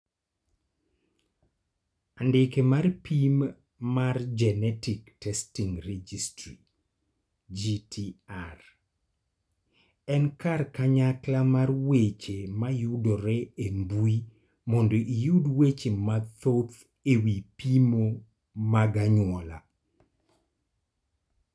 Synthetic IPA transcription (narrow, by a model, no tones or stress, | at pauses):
andɪkemarpimː | ard͡ʒɛnɛtiktɛstiŋrɛd͡ʒistɾi | d͡ʒitʰiar | ɛnkarkaɲaklamarwet͡ʃemajudoɾɛembui | mɔndoʔijudwet͡ʃemat̪ot̪ | ewipimo | maɡaɲwɔla̰